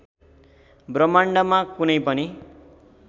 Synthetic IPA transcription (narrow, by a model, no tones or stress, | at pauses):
brʌmaɳɖʌmakunʌjpʌni